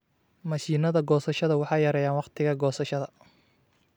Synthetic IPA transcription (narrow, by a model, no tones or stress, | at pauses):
mɐʃiːnɐðɐɡɔːsɐʃɐðɐwɑħɑːjɐɾɛjaːnwɑqt̪ʰɪɣɐɡɔːsɐʃɐðɐ